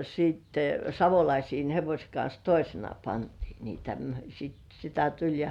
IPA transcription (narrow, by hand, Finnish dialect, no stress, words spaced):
siːtːe sɑʋolɑisiːn heʋosʲĕ kɑns toisenɑ pɑntiː niːtæ m sit sitæ tulʲ jɑ